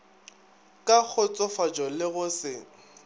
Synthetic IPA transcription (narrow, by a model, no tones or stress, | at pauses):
kʼak͡xʰʊt͡sʼɔfad͡ʒɔlɪɣʊsɪ